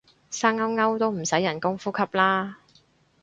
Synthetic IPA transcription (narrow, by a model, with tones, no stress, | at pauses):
saː˥ŋɐ˥wŋɐ˥wt̪o˥wm̩˨˩sɐ˨˥jːɐ˨˩nkʊ˥ŋfuː˥kʰɐ˥p̚laː˥